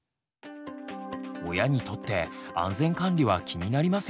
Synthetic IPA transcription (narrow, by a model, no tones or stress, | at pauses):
o̞jaɲ̟it̪o̞t̪ːe̞ã̰nzẽ̞ŋkãnɾʲiβ̞akʲʰiɲ̟inaɾʲimas